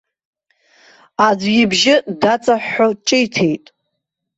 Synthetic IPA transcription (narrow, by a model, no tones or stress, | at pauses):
ad͡zʷɡibʒɪdat͡sʼaħːot͡ʃʼɪjtʰe̞jtʼ